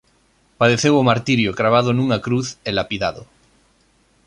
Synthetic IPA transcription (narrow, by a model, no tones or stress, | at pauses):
paðeθewomaɾt̪iɾjokɾaβ̞að̞onuŋakɾuθelapiðaðo